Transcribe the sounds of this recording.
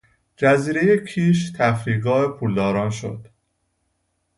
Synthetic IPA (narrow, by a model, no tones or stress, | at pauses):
d͡ʒæziːɾe̞jecʰiːʃt̪ʰæfɾiːɡɒːepʰuld̪ɒːɾɒːnʃo̰d̪̥